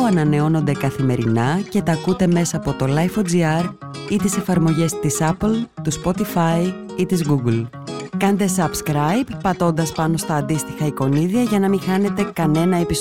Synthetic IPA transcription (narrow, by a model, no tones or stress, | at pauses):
ɐnɐne̞o̞no̞nd̪e̞kɐθime̞ɾḭnɐce̞t̪ɐkut̪e̞me̞sɐːpo̞t̪o̞lɐjfod͡ziɐɾ | it̪ise̞fɐɾmo̞ʝe̞st̪isɐplt̪uspo̞t̪ifɐi | it̪izɣuɡl | kɐnd̪e̞sɐbskɾɐjpːɐt̪o̞nd̪ɐspɐno̞st̪ɐːnd̪ist̪i̥xɐiko̞niðiɐʝɐnɐmixɐne̞t̪e̞kɐne̞nɐe̞pis